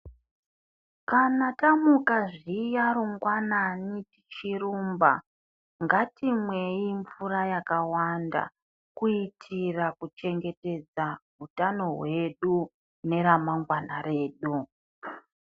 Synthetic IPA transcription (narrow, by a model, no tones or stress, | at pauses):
kanatamukaʐijaɾuŋɡwananiti̥t͡ʃiruːmba̰ | ŋɡatimwe̞iɱvuɾajakawanda̰ | kuitʰirakut͡ʃe̞ŋɡe̞te̞d͡zaɦutano̞ɦwe̞ɗu | ne̞ɾamaŋɡwana̰ɾe̞ːɗu